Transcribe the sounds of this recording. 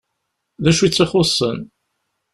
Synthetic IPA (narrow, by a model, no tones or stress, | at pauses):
ðæʃuit͡sːiχosˤːən